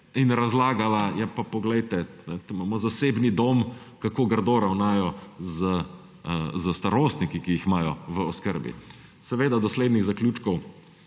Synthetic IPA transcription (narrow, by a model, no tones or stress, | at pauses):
inɾazlaːɡalajɛpapɔɡlɛjt̪ɛnɛt̪omaːmɔzaseːbnid̪oːm | kakoːɡəɾd̪oɾawnaːjɔzə | zəst̪aɾoːst̪nikikijixmaːjɔʋəɔskəɾbḭ | sɛʋeːd̪ad̪ɔsleːd̪niɣzaklʲjuːt͡ʃkɔw